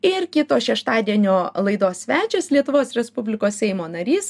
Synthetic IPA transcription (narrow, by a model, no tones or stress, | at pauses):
ɪɾkʲɪt̪oːʃʲɛʃt̪ɑːd̪ʲiɛnʲoːlˠɐɪd̪oːsʲsʲʋʲæːt͡ʃʲɛslʲiɛt̪ʊʋoːsɾʲɛspʊbʲlʲɪkoːsʲsʲɛɪmoːnɐɾʲiːs